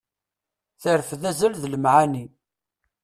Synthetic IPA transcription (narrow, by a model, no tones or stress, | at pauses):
θəɾfðæzəlðləmʕani